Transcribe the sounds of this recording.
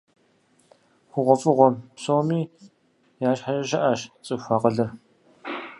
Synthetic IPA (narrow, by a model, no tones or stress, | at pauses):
xʷʊʁʷɔfʼɨʁʷɔsoːmiː | jaːʃɕħaɕɐʃɐʔaːʃt͡sʼɨɕʷaːqɐɮɐr